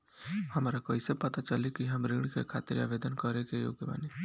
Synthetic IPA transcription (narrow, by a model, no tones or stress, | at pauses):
hɐmaːɾakoisepɐt̪at͡ʃəlekiɦɐmɾɪɡɽ̃ikḛkʰa̰ːt̪ɪɾa̰ːʋeːd̪ənkəɾekejo̰ːɡjəba̰ːne